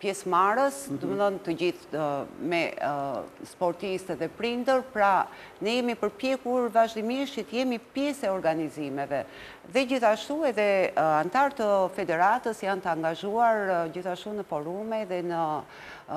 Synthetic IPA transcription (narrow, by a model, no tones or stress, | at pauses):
pjɛsmaɾəsd̪ɔməðɔnt̪əd͡ʑiθmɛ | spɔɾt̪ist̪ɛðɛpɾind̪əɾpɾa | nɛjɛmipəɾpjɛkuɾvaʒd̪imiʃit̪əjɛmipjɛsɛɔɾɡanizimɛvɛ | ðɛd͡ʑiθaʃt̪uɛðɛant̪aɾt̪əfɛd̪ɛɾat̪əsjant̪əaŋɡaʒuaɾd͡ʑiθaʃt̪unəfɔɾumɛðɛnə